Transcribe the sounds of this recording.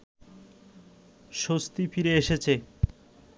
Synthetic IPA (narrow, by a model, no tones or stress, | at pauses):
ʃost̪ifiɾeeʃet͡ɕʰe